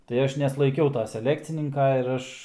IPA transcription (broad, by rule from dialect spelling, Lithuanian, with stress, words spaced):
tɐɪ ˈɐʃ nʲɛslˠɐɪˈkʲɛʊ tɐ sʲɛˈlʲæːkt͡sʲɪnʲɪŋkɐ ɪr ˈɐʃ